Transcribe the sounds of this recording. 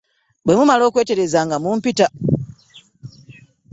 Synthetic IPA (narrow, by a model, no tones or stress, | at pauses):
bwe̞mumalo̞ːkwe̞ːte̞ɾe̞zaŋɡamuːmpita